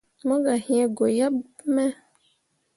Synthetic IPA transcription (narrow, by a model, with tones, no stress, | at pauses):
mɔ̃˦ɡa˨hĩ˦ɛ˦ɡo˨ja˦ | mɛ˦